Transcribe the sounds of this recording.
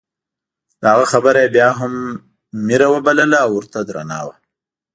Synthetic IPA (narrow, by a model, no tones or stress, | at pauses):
d̪̥əhaɣaxabəɾajebjɑɦamː | iɾawəbaləlaːwʊɾt̪ad̪ɾa̰nɑ̰wa